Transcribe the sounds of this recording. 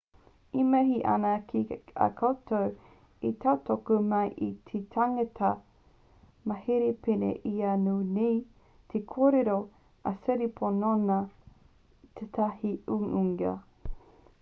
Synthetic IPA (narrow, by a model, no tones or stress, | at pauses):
imɐɦiʔɐ̰nɐkʰia̰kʰowtʰow | itʰawtokumɐjʔitʰet̪ʰaŋɐtʰɐ | mɐheɾepenḛʔianuːnej | tʰekʰoːɾeɾo | ʔɐseɾipʰononɐ | t̪ʰet̪ʰɐhiuuŋɐ̰